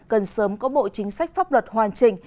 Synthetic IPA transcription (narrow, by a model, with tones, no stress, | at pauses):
kə˨˩nsəː˨˦mkɔ˨˦ɓo̰˧˨t͡ɕï˨˦ŋ̟sa˦˥k̟̚faː˦˥p̚lwə˨˩t̚hwaː˨˩nt͡ɕï˧˩ŋ̟